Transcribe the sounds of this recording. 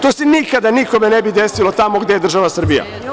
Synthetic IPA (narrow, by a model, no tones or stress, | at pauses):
t̪oːsenikad̪aniko̞me̞nebid̪esilo̞t̪amo̞ɡd̪e̞jed̪r̩ʒaʋasr̩bija̰